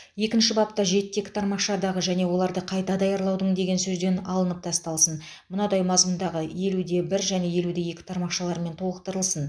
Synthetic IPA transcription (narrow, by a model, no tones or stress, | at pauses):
je̞kʲɪnʃɪbɑp̚t̪ɑʒe̞t̪ːe̞kʲt̪ʰɑɾmɑqʃɑd̪ɑʁəʒæne̞wo̞lˠɑɾd̪əqʰɑjt̪ɑd̪ɑjɑɾlˠɑwd̪əɴd̪e̞ɡʲe̞nsɵzd̪e̞nɑlˠənəp̚t̪ʰɑst̪ɑlˠsən | mʊnɑd̪ɑjmɑzmʊnd̪ɑʁəje̞lud̪e̞bɪɾʒæne̞je̞lud̪e̞je̞kʲɪ̥t̪ʰɑɾmɑqʃɑlˠɑɾme̞nt̪ʰo̞lˠəq̚t̪əɾəlˠsən